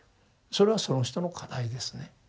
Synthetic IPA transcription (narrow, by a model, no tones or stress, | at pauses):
so̞ɾe̞β̞aso̞no̞çi̥t̪o̞no̞kʰad̪aid̪e̞sɨne̞